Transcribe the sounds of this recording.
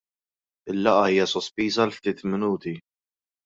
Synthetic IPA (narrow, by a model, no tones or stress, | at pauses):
ɪlːɐʔɐiːjɐsɔspiːzɐlft̪iːt̪mɪnuːt̪i